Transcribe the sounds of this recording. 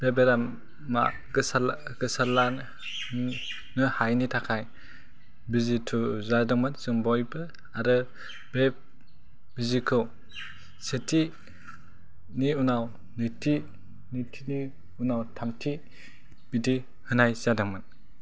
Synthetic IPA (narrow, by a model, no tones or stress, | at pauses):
b̥ebeɾamː | a̰ | ɡɯsal | ɡɯsala | nɯhajnitʰakʰaj | bizitʰuzadɯŋmɯnsɯŋbɔjbɯ | aɾɯ | b̥eb̚ | b̥izikʰɯw | setʰi | niunaw | nɯtʰi | nitʰini | unawtʰamtʰi | bidi | hɯnajzadɯŋmɯn